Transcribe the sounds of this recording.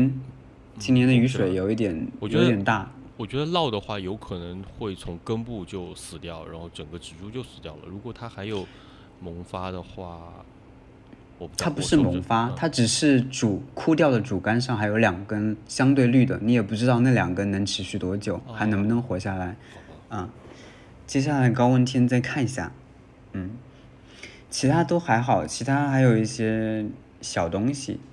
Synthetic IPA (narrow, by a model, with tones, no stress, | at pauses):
n | t͡ɕʰi˥njɛ˧˥nd̪ə˧y˧˥ʂwe˨˩ɪjo˨˩ʊi˥˩t̪jɛ˨˩˦njjo˧˥t̪jɛ˨˩nt̪a˥˩wɔ˨˩t͡ɕɥɛ˧˥d̪ə˧lɑ˥˩ʊd̪ə˩xwa˥˩jo˧˥ʊkʰɤ˨˩nə˧˥ŋxwe˥˩ɪt͡sʰʊ˧˥ŋkə˥npu˥˧t͡ɕjo˥˧ʊsɹ̩˨˩t̪jɑ˥˩ʊɻa̰˧˥nxo˥˩ʊʈ͡ʂə˨˩ŋɡə˦ʈ͡ʂɻ̩˨˩ʈ͡ʂu˥˧t͡ɕjo˥˧ʊsɹ̩˨˩t̪jɑ˥˩ʊlə̰˩ɻu˧˥kwɔ˨˩t̪ʰa˥xa˧˥ɪjo˨˩ʊ | mʊ˧˥ŋfa˥d̪ə˨xwa̰˥˩ | ɔ˨˩˥t̪ʰa˥pu˧˥ʂɻ̩˥˩mʊ˧˥ŋfa˥t̪ʰa˥ʈ͡ʂɻ̩˨˩ʂɻ̩˥˩ʈ͡ʂu˨˩kʰu˥˧t̪jɑ˥˩ʊd̪ə˩ʈ͡ʂu˨˩ka˥nʂɑ˥˩ŋxa˧˥jo˧˥ʊljɑ˨˩ŋkə˥nɕjɑ˥ŋt̪we˥˧ɪly˥˩d̪ə̰˩ni˧˥jɛ˨˩pu˥˩ʈ͡ʂɻ̩˥t̪ɑ˥˧ʊna˥˩ljɑ̰˨˩ŋkə˥nnɤ˧˥ŋʈ͡ʂʰɻ̩˧˥ɕy˥˩t̪wɔ˥t͡ɕjo˨˩˦ʊxa˧˥ɪnə˧˥ŋmə˧nɤ˧˥ŋxwɔ˧˥ɕja˥˩la˧˥ɪə˧˩ | t͡ɕjɛ˥ɕ̬ja˥˩la˧˥ɪkɑ˥ʊwə˥˩nt̪ʰi˥nt͡sa˥˧ɪkʰa˥˩ni˧˥ɕja̰˥˩ | n̩˥˩ | t͡ɕʰi˧˥t̪ʰa˥t̪o˥ʊxa˧˥ɪxɑ˨˩˦ʊt͡ɕʰi˧˥t̪ʰa˥xa˧˥ɪjo˨˩ʊi˥˩ɕjɛ˥ | ɕjɑ˨˩ʊt̪ʊ˥ŋɕḭ˨˩